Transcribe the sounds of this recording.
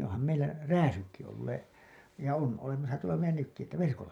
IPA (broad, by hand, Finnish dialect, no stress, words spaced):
ohɑm meilːæ ræːsykːi olːeː jɑ on olemɑsɑ tuolɑ meilˑæ nykːi etːæ ʋerkolːɑ